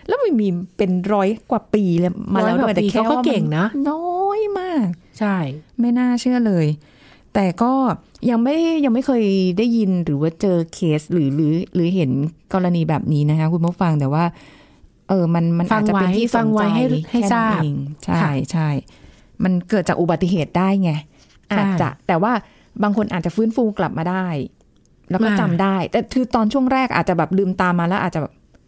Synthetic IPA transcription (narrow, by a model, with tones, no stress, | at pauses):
lɛː˦˥wma˧˥˩miː˧pe˧nɾɔː˦˥jkwaː˨˩piː˧˩lɛ˥˩maː˧laː˧˦˧t̪t͡ɕːɛ˨˧˩ɛː˧˦˥wɔ˥aː˥˩˧ke˨˩ŋna˦˥nɔ˥jmaː˥˩k̚ | t͡ɕʰa˥˩jma˥˩jnaː˥˩t͡ɕʰɯ˥˩ɐlɤː˧j | t̪ɛː˨˩kɔː˥˩ | ja˧ŋma˥˩˥ja˧ŋma˥˩jkʰɤː˧jdaː˥˩ji˧nɾɯː˩˦waː˥˩t͡ɕɤː˧kʰeː˦˥sɾɯː˩˦ɾɯː˩˦ɾɯː˩˦ɦe˩˦nkɔː˧ɾa˧niː˧bɛː˨˩p̚niː˦˥na˦˥kʰa˦˥kʰu˧nmɔ˦˥˩fa˧ŋt̪ɛː˨˩waː˥˩ | ʔɤː˧ma˧nma˧n˨˧˩t͡ɕa˨wpe˧˦nʰiː˥˩fa˧ŋwaa˦jɦa˥˧˩ha˥˩ɛ˥˩aː˥i˧ŋt͡ɕʰa˧˥˧jt͡ɕʰa˥˩j | ma˧nkɤː˨˩t̪̚t͡ɕaː˨˩k̚ʔu˨˩ba˨˩t̪ːi˨˩ɦeː˨˩t̪̚daː˥˩jŋa˧˩ | ʔaː˨˩t̪̚t͡ɕa̰˨˩ʔt̪ɛː˨˩waː˥˩ | baː˧ŋkʰo˧nʔaː˨˩t̪̚t͡ɕa˨˩fɯː˦˥nfuː˧kla˨˩p̚maː˧daː˥˩j | lɛː˦˥wkɔ˥˧˩t͡ɕa˧mdaː˥˩jt̪ɛː˨˩t̪ʰɯː˧t̪ɔː˧nt͡ɕʰu˥˩əŋɾɛː˥˩k̚ʔa̰ː˨˩t̪̚t͡ɕa˨˩bɛː˨˩p̚lɯː˧mt̪aː˧mːaː˧lɛː˦˥ʔaː˨˩t̪̚t͡ɕa˨˩bɛː˨˩p̚